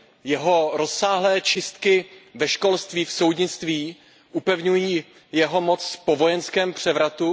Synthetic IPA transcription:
jɛɦo̞ɾo̞sːaːɦlɛːt͡ʃɪst̪kɪvɛʃko̞lst̪viːfso̞wdɲɪt͡st̪viː | ʔupɛvɲujiː | jɛɦo̞mot͡sfpovo̞jɛnskɛːmpr̝̥ɛvɾat̪u

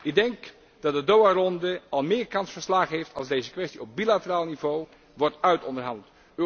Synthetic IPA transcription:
ɪɡ̚dɛŋk | d̥ɑt̚dədowarɔndəɑlˠmɪːɹkɑnsfəɹslaːχəɦeftʰɑlˠzdejzəkʋɛstiɔb̚bilatəraːlˠnivow | ʋɔɹtœɥtɔndəɹɦɑndəlˠt | ø

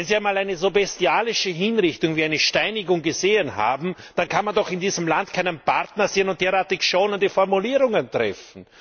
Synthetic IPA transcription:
ɛnzianmaːlæɪnəzobɛstiaːlɪʃəɦinʁɪçtʊŋviːæɪnəʃtaɪnɪɡʊŋɡəzeːənha̰ːbm̩d̥ankʰanmandɔχɪndiːzəmlantkʰæɪnənpʰa̰ʁtnɐz̥eːənʊnt̚d̥eːʁaːɐtɪçʃoːnəndifɔʁmuliːʁʊŋəntʁ̥ɛ̰fn̩

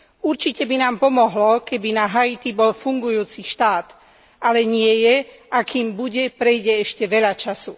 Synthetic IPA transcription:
uɾt͡ʃicɛbinaːmpɔmɔɦlɔkɛbinaɦait̪ibɔlfuŋɡujuːt͡siʃt̪aːt̪ | ʔalɛɲɪɛjɛ | ʔakiːmbuɟɛpɾɛjɟɛɛʃcɛʋɛʎat͡ʃasu

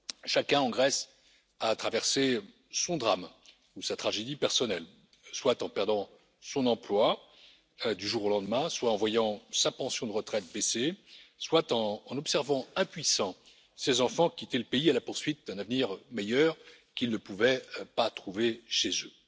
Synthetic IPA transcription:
ʃakʲɛ̃ɑ̃ɡʁɛs | at̪χavɛʁse | sɔ̃d̪ʁam | usat̪χaʒed̪ipɛʁsɔnɛl | swat̪ɑ̃pɛʁd̪ɑ̃ | sɔ̃nɑ̃plwa | d̪yʒuʁolɑ̃d̪mɛ̃swaɑ̃vwajɑ̃sapɑ̃sjɔ̃d̪əʁət̪χɛt̪̚beseswat̪ɑ̃ːnɔbsɛʁvɑ̃ɛ̃pɥisɑ̃ | sezɑ̃fɑ̃kʲit̪ɛləpeialapuʁsɥit̪̚d̪ɛ̃navniʁmejœʁ | kʲilnəpuvɛpat̪χuveʃezø

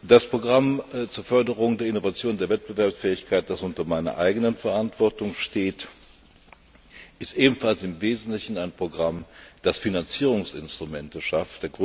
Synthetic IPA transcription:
d̥aspʁ̥oɡʁamt͡suːɐfœɐdəʁʊŋdeːɐɪnovat͡sjoːndeːɐvɛt̚b̥əvɛɐpsfɛːɪçkʰaɪt̚d̥asʔʊntɐmaɪnɐ̰ʔaɪɡənənfɛɐʔantv̥ɔɐtʊŋʃteːt | ʔɪstʔeːbm̩falsɪmveːzn̩tlɪçn̩aɪnpʁ̥oɡʁamd̥asfinant͡siːʁ̞ʊŋsɪ̰nstʁ̥ʊmɛntəʃaftd̥eːɐɡʁ

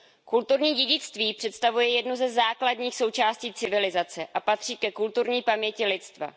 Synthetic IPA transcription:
kult̪uɾɲiːɟɛɟɪt͡st̪viːpr̥ɛt̪st̪avujɛjɛdnuzɛzaːkladɲiːxso̞wt͡ʃaːsciːt͡sɪvɪlɪzat͡sɛʔapat̪r̝̥iːkɛkult̪uɾɲiːpamɲɛcɪlɪt̪st̪va̰

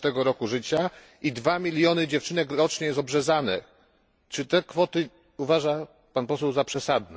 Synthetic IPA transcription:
t̪ɛɡɔɾɔkuʐɘt͡ɕa | id̪vamʲilʲjɔnɘd͡ʑɛft͡ʂɘnɛkɾɔt͡ʂɲɛjɛst̪ɔbʐɛzanɛ | t͡ʂɘt̪ɛkfɔt̪ɘ | uvaʐa | panpɔsɛwzapʂɛsad̪nɛ

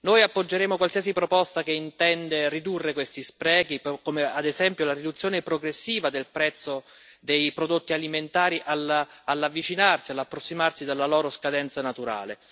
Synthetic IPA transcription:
nojapːod͡ʒːeɾeːmokwalsiːas̬ipɾopɔst̪akeint̪ɛnd̪erid̪urːekwest̪ispɾɛːɡikomead̪ezɛmpjolaɾid̪ut̪sːjoːnepɾoɡɾesːiːvad̪elpɾɛt̪sːo | d̪ejpɾod̪ot̪ːialiment̪aːɾiʔalalːavːit͡ʃinarsialapːɾosːimarsid̪alːalɔːɾoskad̪ɛnt̪sanat̪uɾa̰ːlḛ

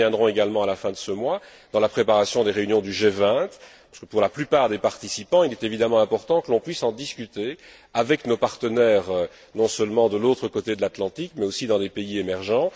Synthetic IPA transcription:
jɛ̃d̪ʁɔ̃eɡalmɑ̃alafɛ̃d̪əsəmwa | d̪̥ɑ̃lapχepaʁasjɔ̃d̪eʁeynjɔ̃d̪yʒevɛ̃t̪paskəpuʁlaplypaːʁd̪epaʁt̪isipɑ̃ilɛt̪evid̪amɑ̃ɛ̃pɔʁt̪ɑ̃kəlɔ̃pɥisɑ̃d̪iskʲyt̪e | avɛknopaʁt̪ənɛːʁø | nɔ̃səlmɑ̃d̪əlot̪χəkot̪ed̪əlat̪lɑ̃t̪ikmɛosid̪ɑ̃d̪epeiemɛʁʒɑ̃

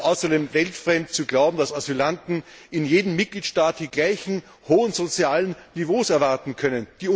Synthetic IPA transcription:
ʔaʊsɐdeːmvɛltfʁɛmtt͡suɡlaʊbm̩d̥asazylantn̩ɪnjeːdm̩mɪt̚ɡ̥liːtʃtaːt̚d̥iːɡlaɪçn̩ | hoːənzot͡sjaːlənnivoːsɛɐvaɐtn̩kʰœnənd̥iː

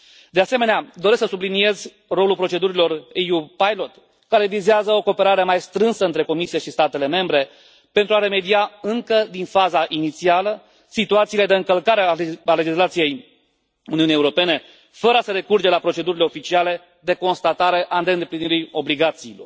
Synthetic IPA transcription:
d̪easeme̞nead̪o̞ɾesksəsublinie̞zʲ | ro̞lulpɾo̞t͡ʃe̞d̪uɾilo̞rejupajlo̞t̪ | kaɾe̞vizeazəo̞ko̞ːpe̞ɾaɾeemajst̪ɾɨnsəɨnt̪ɾe̞ko̞misieʃist̪at̪e̞le̞me̞mbɾe̞ | pe̞nt̪ɾuaɾe̞me̞d̪iaɨŋkəd̪infazaʔinit̪sialə | sit̪uat̪siːle̞d̪e̞ɨŋkəlkaɾeaale̞d͡ʒislat̪sije̞j | uniunijeuɾope̞ne̞ | fəɾəasəɾe̞kurd͡ʒe̞lapɾo̞t͡ʃe̞d̪uɾile̞o̞fit͡ʃiale̞ | d̪e̞ko̞nst̪at̪aɾe̞ʔand̪eɨnd̪e̞pliniɾio̞bliɡat̪siːlo̞̰r

